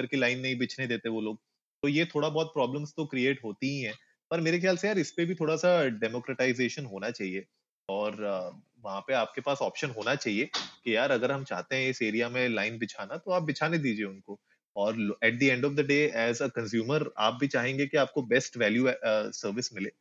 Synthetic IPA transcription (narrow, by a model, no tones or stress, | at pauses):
ɐɾkelaːɪnːɐɦĩbɪt͡ʃʰned̪eːt̪eɦɛ̃ʋoloːɡ̚ | t̪ojet̪ʰoːɽabɔːt̪̚pɾɔːblə̃mst̪okɾieːʈɦoːt̪iɦĩɦɛ̃ː | pɐɾmeːɾexjaːlsejaːɾɪspebʱit̪ʰoːɽasaɖɛmoːkɾəʈaɪzeːʃənɦoːnat͡ʃaːɦie | ɔːɾ | ʋɐɦãpeaːp̚kepaːsɔːpʃənɦoːnat͡ʃaːɦiekijaːɾɐɡəɾɦɐ̃mt͡ʃa̰ːɦt̪eɦɛ̃ɪseːɾijamẽlaːɪnbɪt͡ʃʰaːnat̪oaːp̚bɪt͡ʃʰaːned̪iːd͡ʒieʊnko | ɔːɾɛːʈ̚d̪iɛ̃ɳɖɔfd̪əɖeːɛːzəkɐ̃nsjuːməɾa̰ːp̚bʱit͡ʃaːɦẽːŋɡekiaːp̚kobɛsʈʋɛːljusəɾʋɪsmɪleː